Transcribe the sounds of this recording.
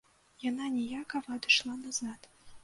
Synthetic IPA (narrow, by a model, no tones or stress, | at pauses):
jananʲɛjakɐvɐːd̪ɨʂlˠanazat̪